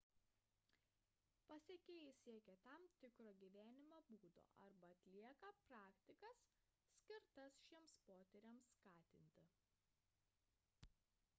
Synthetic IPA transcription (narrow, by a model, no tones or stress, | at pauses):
pɐsʲeɛkʲeːjɪsʲiɛkʲɛt̪ɑmt̪ʲɪkɾoːɡʲiʋʲæːnʲɪmɑbuːd̪o̰ːɐ̰ɾbɐɐt̪ʲlʲiɛkɐpɾɑːkt̪ʲɪkɐsːʲ | kʲɪɾt̪ɐsʃʲiɛmspoːt̪ʲɛɾʲɛmsːkɑːt̪ʲɪnʲt̪ʲɪ